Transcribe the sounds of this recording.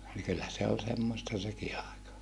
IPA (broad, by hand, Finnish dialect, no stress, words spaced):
niː kylːæ se ol semːostɑ seki ɑˑekɑ